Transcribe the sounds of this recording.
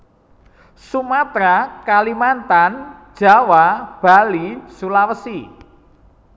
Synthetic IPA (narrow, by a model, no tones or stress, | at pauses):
sumat̪ɾakalimant̪and̥ʒ̥a̤wab̥a̤lisulawəsi